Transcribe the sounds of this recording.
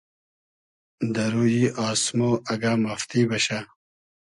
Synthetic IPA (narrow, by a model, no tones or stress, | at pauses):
d̪ɐɾujiːaːsmoɐɡamɐft̪iːbɐɕa